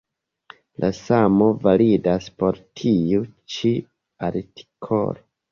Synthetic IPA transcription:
lʔasamo̞validaspo̞ɾtʰiut͡ʃi | aɾti̥kʰo̰lo

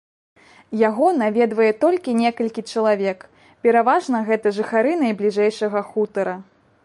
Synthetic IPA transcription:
jaɣɔnavʲɛd̪vɐjɛt̪ɔlʲkʲinʲɛkɐlʲkʲit͡ʂɐlˠavʲɛk | pʲɛɾavaʐnɐɣɛt̪ɐʐɨxaɾɨnɐjblʲiʐɛjʂɐɣɐxut̪ɐɾɐ

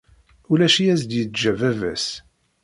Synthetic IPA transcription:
ulæʃijæs̬d̪jət͡sd͡ʒævævæ̰s

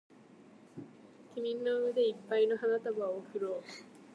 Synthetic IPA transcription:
kʲimʲĩnːoɯmed̪e̞ipːaino̞ɦanat̪abaokɯ̟ɾoː

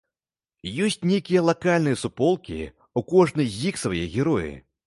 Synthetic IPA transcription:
jɔsʲt͡sʲnʲejkʲijɐlˠakalʲnɨjɐsupɔlˠkʲḭ | ukɔʐnɨjzʲiksvajɛɣʲɛɾɔjḭ

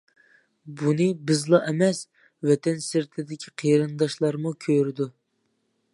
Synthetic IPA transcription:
bunɨbɪzlˠɑʔɛmɛs | wɛt̪ʰɛnsɪɾt̪ʰɪd̪ɪkʲʰi̥qʰeɾɨnd̪ɑʃlˠɑɾmukʲʰøɾɪd̪u

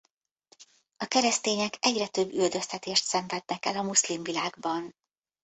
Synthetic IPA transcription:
ɒkɛɾɛst̪eːɲɛkɛɟrɛt̪ø̞bːyld̪ø̞st̪ɛt̪eːʃt̪sɛɱvɛd̪̚nɛkɛlɒmuslimvilaːɡbɒn

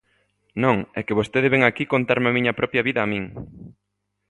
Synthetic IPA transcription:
nõŋɛ̰kɪβost̪eðeβeŋakikont̪aɾmamiɲɐpɾɔpjɐβiðɐːmĩŋ

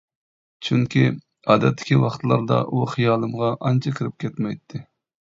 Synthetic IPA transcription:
t͡ʃʰyŋkʲʰi | ɑːd̪ɛt̪ʰːɪ̥kʲiwɑχt̪ʰlˠɑ̰ɾd̪ɑ̰ʔuχijɑːlˠɨmʁɑʔɑnt͡ʃʰɑkʲʰɪɾɪp̚kʲʰɛt̪mɛjt̪ʰːɪ

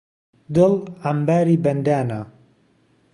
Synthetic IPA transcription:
d̪ɨlambaːɾiːbɐnd̪aːna

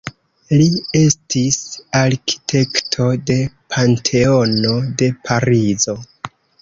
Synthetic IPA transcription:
lie̞stʰisaɾki̥tʰe̞ktʰo̞de̞pʰantʰe̞o̞no̞de̞pʰaɾizo̞

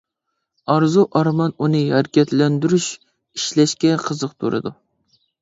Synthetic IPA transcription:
ɑɾzuʔɑɾmɑnunɨhæɾkʲɛt̪lɛnd̪yɾyʃ | iʃlɛʃkʲɛqʰəzəqt̪ʰṵɾɨ̰d̪u

